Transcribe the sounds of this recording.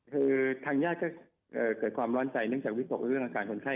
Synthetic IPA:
ʔɯː˧˩t̪ʰaː˧ŋjaː˥˩t̚kɔː˥˩ | ʔɤː˨˩kɤː˨˩t̪̚kʰwaː˧mɾɔː˦˥nt͡ɕa˧jnɯ˥˩əŋt͡ɕaː˨˩k̚wi˦˥t̪o˨˩˧ɾɯ˥˩əŋʔa˧kaː˧nkʰo˧nkʰa˥˩

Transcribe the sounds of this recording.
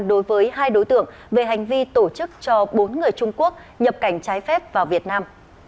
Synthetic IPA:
ɗo˨˦jvəː˨˦jɦaː˧jɗo˨˦jt̪ɨ̰˧˩əŋ | ve˨˩ɦa˨˩jŋ̟vi˧t̪o˧˩t͡ɕɨ˦˥k̚t͡ɕɔ˧ɓo˨˦nŋɨ˨˩əjt͡ɕʊ˧ŋ͡mku˦˥ək̚ | ɲə˨˩p̚ka˧˩jŋ̟t͡ɕaː˨˦jfɛ˦˥p̚vaː˨˩wvi˨˩ət̚naː˧m

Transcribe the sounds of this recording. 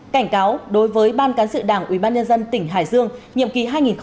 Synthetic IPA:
ka˧˩jŋ̟kaː˨˦wɗo˨˦jvəː˨˦jɓaː˧nkaː˨˦nsɨ̰˧˨ɗaː˧˩ŋʔwḭ˧˩ɓaː˧nɲə˧nzə˧nt̪ï˧˩ŋ̟ɦaː˧˩jzɨ˧əŋɲḭ˧˨əmki˨˦ɦaː˧jŋi˨˩nx

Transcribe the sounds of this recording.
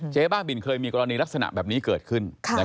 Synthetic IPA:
t͡ɕʰeː˦˥baː˥˩ŋbi˨˩nkʰɤː˧jmiː˧kɔː˧ɾa˧niː˧la˦˥k̚sa˧na̰˨˩ʔbɛː˨˩p̚niː˦˥kɤː˨˩t̪̚kʰɯ˥˩nʰ˧ɛ˦˥

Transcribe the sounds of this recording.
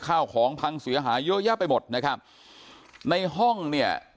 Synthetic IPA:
kʰaː˥˩wkʰɔː˩˦ŋpʰa˧ŋsi˩˦ɐɦaː˩˦joː˦˥jaː˦˥˩pːa˧jmo˨˩t̪̚na˦˥kʰa˦˥p̚ | na˧jɦɔ˥˩ŋni˥˩ɐ

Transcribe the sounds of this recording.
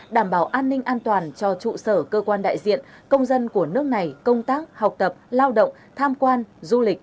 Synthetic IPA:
ɗaː˧˩mɓaː˧˩wʔaː˧nːï˧ŋ̟ʔaː˧nt̪waː˨˩nt͡ɕɔ˧t͡ɕṵ˧˨səː˧˩kəː˧kwaː˧nɗa̰ː˧˨jzḭ˧˨ənkə˧wŋ͡mzə˧nku˧˩ənɨ˦˥ək̚na˨˩jkə˧wŋ͡mt̪aː˦˥k̚ha˨˩wk͡p̚t̪ə˨˩p̚laː˧wɗə̰˧˨wŋ͡m | t̪ʰaː˧mkwaː˧nzu˧lï˨˩k̟̚

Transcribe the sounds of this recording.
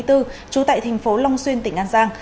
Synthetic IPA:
jt̪ɨ˧t͡ɕu˨˦t̪a̰ː˧˨jt̪ʰa˨˩jŋ̟fo˨˦lɔ˧wŋ͡mswi˧ənt̪ï˧˩ŋʔaː˧nzaː˧ŋ

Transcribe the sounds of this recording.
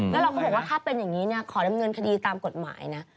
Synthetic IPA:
lɛ˦˥ɾa˧wkʰɔ˥˩bɔː˨˩kwa˥t̪ʰaː˥˩pe˧njaː˨˩ŋːiː˦˥ni˥˩ɐkʰɔː˩˦ɾa˧mŋɤ˧nkʰa˧diː˧t̪aː˧mko˨˩t̪̚ma̰ː˩˦jna˦˥

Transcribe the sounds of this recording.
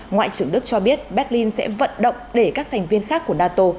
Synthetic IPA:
ŋwa̰ː˧˨t͡ɕɨ˧˩əŋɗɨ˦˥ək̚t͡ɕɔ˧ɓi˦˥ət̚ɓɛ˦˥t̚li˧nsɛ̰˧˥və̰˧˨nɗə̰˧˨wŋ͡mɗe˧˩kaː˦˥k̚t̪ʰa˨˩jŋ̟vi˧ənxaː˦˥kːu˧˩ənaː˧t̪o˧

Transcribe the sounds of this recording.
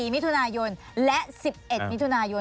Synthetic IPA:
iː˨˩mi˦˥t̪ʰu˧naː˧jo˧n | lɛ˦˥si˨˩p̚ʔe˨˩t̪̚mi˦˥t̪ʰu˧naː˧jo˧

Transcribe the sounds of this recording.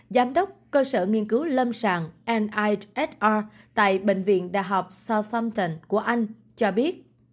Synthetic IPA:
zaː˨˦mɗə˦˥wk͡p̚kəː˧sə̰ː˧˩ŋi˧ənkɨ˨˦wlə˧msa̰ː˧˨˩ŋʔɛ˧nʔa˧jʔɛ˦˥t̚ʔaː˧ | t̪a̰ː˧˨jɓḛ˧˨ŋ̟vḭ˧˨ənɗa̰ː˧˨jɦɔ˨˩wk͡p̚saː˧wt̪ə˧mt̪ə˧˩nku˧˩əʔa˧jŋ̟ | t͡ɕɔ˧ɓi˦˥ət̚

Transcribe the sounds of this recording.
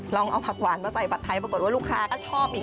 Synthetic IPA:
lɔ˧ŋʔa˧wpʰa˨˩t̪̚waː˩˦nmaː˧sa˨˩jpa˨˩t̪ʰːa˧jpɾko˨˩t̪̚waː˥luː˥˩kʰːaː˧˥kɔː˥˩t͡ɕʰɔː˥˩p̚ʔiː˨˩

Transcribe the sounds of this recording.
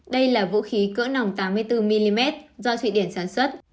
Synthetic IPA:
ɗə˧jlaː˨˩vṵ˧˥xi˨˦kɨ̰ː˧˥na˨˩wŋ͡mt̪aː˨˦mːɨ˧əjt̪ɨ˧mi˧li˧mɛ˦˥t̚zɔ˧t̪wḭ˧˨ɗi˧˩ənsaː˧˩nswə˦˥t̚

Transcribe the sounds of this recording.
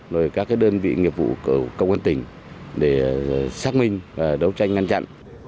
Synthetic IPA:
zo˨˩jkaː˦˥kːaː˨˦jɗəː˧nvḭ˧˨ŋi˨˩əvṵ˧˨kɨ˧˩kə˧wŋaː˧nt̪ï˧˩ŋ̟ | ɗe˧˩saː˦˥k̚mï˧ŋ̟vaː˨˩ɗə˨˦wt͡ɕa˧jŋŋa˧nt͡ɕa̰˧˨n

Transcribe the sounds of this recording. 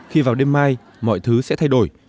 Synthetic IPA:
xi˧vaː˨˩wɗe˧mːaː˧j | mɔ̰˧˨jt̪ʰɨ˨˦sɛ̰˧˥t̪ʰa˧jɗo˧˩j

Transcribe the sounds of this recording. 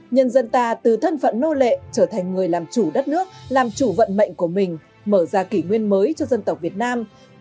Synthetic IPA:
ɲə˧nzə˧nt̪aː˧˩t̪ɨ˨˩t̪ʰə˧nfə̰˧˨nːo˧lḛ˧˨t͡ɕəː˧˩t̪ʰɛ˨˩ŋ̟ŋɨ˨˩əjlaː˨˩mt͡ɕu˧˩ɗə˦˥t̚nɨ˦˥ək̚laː˨˩mt͡ɕu˧˩və̰˧˨nmə̰˧˨jŋ̟ku˧˩əmï˨˩ŋ̟ | məː˧˩zaː˧˩ki˧˩ŋwi˧ənməː˨˦jt͡ɕɔ˧zə˧nt̪ə˨˩wk͡p̚vi˨˩ət̚naː˧m

